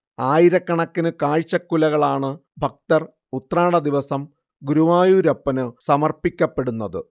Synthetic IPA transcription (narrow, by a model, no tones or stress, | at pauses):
aːjiɾɐkːɐɳɐkːinɨkaːɻt͡ɕːɐkːulɐɣɐɭaːɳɨbʱɐk̚t̪ɐr | ut̪raːɽɐd̪iʋɐsɐm | ɡuɾuʋaːjuːɾɐpːɐnɨsɐmɐrpikʲːɐpːe̞ɽunːɐðɨ̰